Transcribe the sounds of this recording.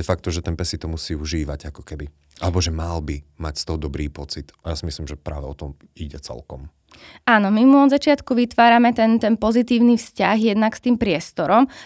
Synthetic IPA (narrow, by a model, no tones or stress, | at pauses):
d̪ɛfak̚t̪ɔʒɛt̪ɛnpɛsit̪ɔmusiːuʒiːʋaɟakɔ̥kɛbi | ʔalɛbɔʒɛmalbimacst̪ɔɦɔd̪ɔbɾiːpɔt͡sit̪ajasimisliːmʒɛpɾa̰ːʋɛɔt̪ɔm | iɟɛt͡sɛ̰lkɔm | aːnɔmimuɔd̪zat͡ʃɪat̪kuʋit̪ʋaːɾamɛt̪ɛnt̪ɛnpɔzit̪iːʊnifscaɣjɛd̪nakst̪iːmpɾɪɛst̪ɔɾɔm